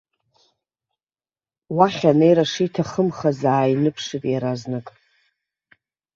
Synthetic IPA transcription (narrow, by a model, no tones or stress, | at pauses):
waχʲanejɾaʂijtʰaχəmχazaːjnɨpʰʂɨpʼjaɾaznɨkʼ